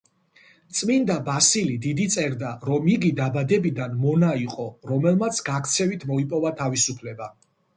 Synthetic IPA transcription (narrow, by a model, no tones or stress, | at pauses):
t̪sʼmind̪abasilid̪id̪it̪sʼɛɾd̪aɾɔmiɡid̪abad̪ɛbid̪anmɔnaiqʼɔɾɔmɛlˠmat̪sʰɡakʰt̪sʰɛvit̪ʰmɔipʼɔvat̪ʰavisupʰlɛba